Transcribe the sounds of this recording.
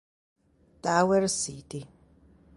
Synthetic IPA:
tʼawɛɾsiti

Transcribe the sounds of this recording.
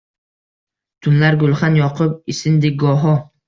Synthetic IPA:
t̪ʰʊnlaɾɡʊlˠχanjɒqʰʊp̚ɪsɪnd̪ɪk̚ʲɡɒɦɒ

